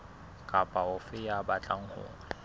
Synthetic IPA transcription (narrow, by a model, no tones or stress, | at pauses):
kʼapʼaʊfɪjabat͡ɬʼaŋ̩hʊ̰ːŋa